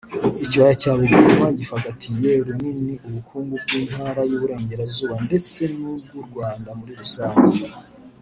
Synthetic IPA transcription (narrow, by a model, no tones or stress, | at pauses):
iciβajacaːβuɡumaɟifaɡatʰijeɾuniniʔuβukʰuːŋɡubɡiːn̥haɾajuβuɾe̞ːɲɟe̞ɾazuːβande̞t͡se̞nub̚ɡuɾɡwaːndamuɾiɾusaːɲɟe